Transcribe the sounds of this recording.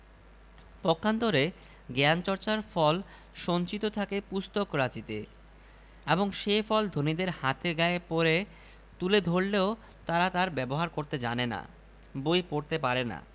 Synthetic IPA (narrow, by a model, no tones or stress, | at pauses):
pɔkʰːant̪oɾe | ɡɛant͡ɕɔɾt͡ɕaɾfɔl | ʃont͡ɕit̪ot̪ʰakepust̪okɾat͡ɕit̪e | eboŋʃefɔld̪ʱonid̪eɾhat̪eɡaepoɾe | t̪uled̪ʱoɾleo | t̪aɾat̪aɾbɛboɦaɾkoɾt̪ed͡ʑanena̰ | bojpoɾt̪epaɾena̰